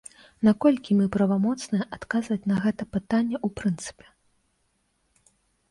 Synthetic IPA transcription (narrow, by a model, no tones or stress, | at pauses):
nakɔlʲkʲimɨpɾɐvamɔt̪snɨjɛʔat̪kazvɐt͡sʲn̪ɐɣɛt̪ɐpɨt̪anʲːɛʔupɾɨnt̪sɨ̥pʲɛ̥